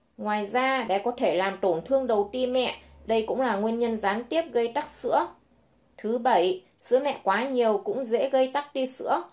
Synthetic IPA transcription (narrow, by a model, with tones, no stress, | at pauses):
ŋwaː˨˩jzaː˧ɗa̰˧˥kɔ˨˦t̪ʰe˧˩laː˨˩mt̪o˧˩nt̪ʰɨ˧əŋɗə˨˩wt̪i˧mɛ̰˧˨ɗə˧jkʊ̰˧˥ŋ͡mlaː˨˩ŋwi˧ənɲə˧nzaː˨˦nt̪i˦˥əp̚ɣə˧jt̪a˦˥k̚sɨ̰˧˥ə | t̪ʰɨ˨˦ɓə˧˩j | sɨ̰˧˥əmɛ̰˧˨ʔkwaː˨˦ɲi˨˩əwkʊ̰˧˥ŋ͡mzḛ˧˥ɣə˧jt̪a˦˥k̚t̪i˧sɨ̰˧˥ə